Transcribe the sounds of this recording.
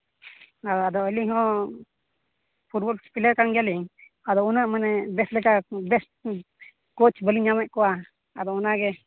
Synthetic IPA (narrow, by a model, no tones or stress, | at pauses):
aad̪ɔəlihɔ̃ | pʰuɾbɔlspiləɾkaŋɡaliŋ | ad̪ɔunaʔmanɛbɛslɛkabɛs | kɔt͡ʃbəliɲɲamɛʔ̚kɔwa | ad̪ɔunaɡɛ